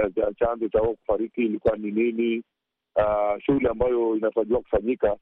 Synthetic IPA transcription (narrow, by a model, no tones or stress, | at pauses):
t͡ʃat͡ʃanzɔt͡ʃauɔku̥faɾikiːlikuwaninini | aʃuuliambajɔinataʄiwaku̥faɲika